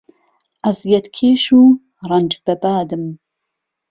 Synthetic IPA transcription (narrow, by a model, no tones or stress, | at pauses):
ʔɐzjɛt̪kʰeːʃuː | ɾˤɑnd͡ʒbɐbaːd̪ɨm